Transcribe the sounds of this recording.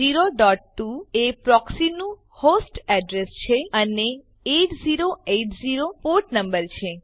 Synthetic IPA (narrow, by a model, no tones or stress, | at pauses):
iɾoɖɔʈ̚ːuepɾɔksinũ | hosʈɛɖɾest͡ʃʰeəne | eʈd͡ʒiɾoeʈd͡ʒiɾopoʈnəmbəɾt͡ʃʰe